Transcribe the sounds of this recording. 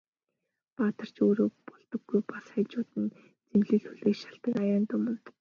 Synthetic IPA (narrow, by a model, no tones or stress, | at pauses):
paːt̪ə̆r̥t͡ɕoːɾoːpɔɮt̪ɞ̆ɡːujpasχæːt͡ɕʊːt̪ɘ̆n | t͡semɮɘ̆ɮxuɮeːʃḁɬt̪ə̆kajaːnt̪ʊmə̆nt̪